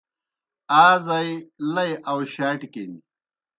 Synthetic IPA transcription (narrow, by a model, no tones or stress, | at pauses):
aːzajlɐjʔɐwɕaːʈikeːni